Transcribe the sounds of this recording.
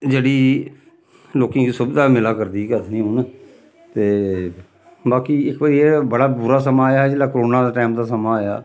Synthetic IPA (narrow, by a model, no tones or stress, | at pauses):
d͡ʒeːɽiː | loːkẽːiːsʊbd̪aːmɪlaːkəɾd̪iːkət̪nĩːɦʊn | t̪eː | baːkiːɪkʋəːɾiːɛːbəɽaːbʊɾaːsəmaːjaːd͡ʒeːlaːkəɾoːnaːd̪aːʈaːmd̪aːsəmaːjaː